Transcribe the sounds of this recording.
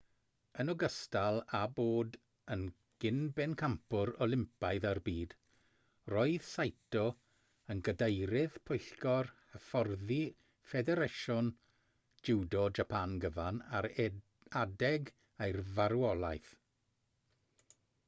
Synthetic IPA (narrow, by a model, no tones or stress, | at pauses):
ənɔɡəstalˠaboːd | ən | ɡ̥ɪnbɛnkʰampʰʊɾɔlˠɪmpajðarbiːd̥ | roːɨð̥sajtʰɔ | ənɡədejɾɪð̥pʰʊjɬkɔrhəfɔrði | fɛdɛɾeʃɔn | d͡ʒɪwdɔd͡ʒapʰanɡəvanaɾ | adɛɡ | ejrvaɾwɔlˠajθ